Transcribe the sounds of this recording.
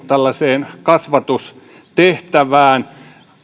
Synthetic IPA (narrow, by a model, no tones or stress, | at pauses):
t̪ælːɑseːnkɑsʋɑt̪us | t̪eht̪æʋæːn